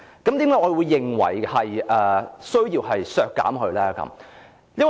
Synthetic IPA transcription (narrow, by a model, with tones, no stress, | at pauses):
kɐ˨˥mt̪iː˨˥mkaː˧˥ŋɔː˨˧wuː˨˧jːɪ˨˩ŋwɐ̰˨˩jhɐ˨jʔɛː˧sɵ˥ɥjiː˧wɦɐ˨jsœː˧kːa̰ː˨˥mɦɵ˧ɥlɛː˥kɐ̰˨˧˦m | jɐ˥n